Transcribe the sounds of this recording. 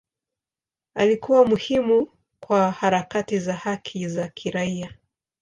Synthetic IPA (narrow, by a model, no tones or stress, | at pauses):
a̰likuwamuhimu | kwahaɾakatizahakʰizakʰiɾaia